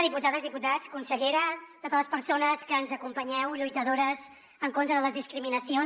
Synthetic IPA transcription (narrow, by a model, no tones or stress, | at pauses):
ðiput̪aðəzðiput̪at͡skunsəʎeɾət̪ot̪ələspəɾsonəskəːnzəkumpəɲɛwʎujt̪əðoɾəz | əŋkont̪ɾəðələzðiskɾiminəsion